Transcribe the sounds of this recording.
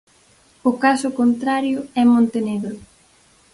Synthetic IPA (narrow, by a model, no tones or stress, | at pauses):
ʊkasʊkont̪ɾaɾjʊɛmõnt̪eneɣɾʊ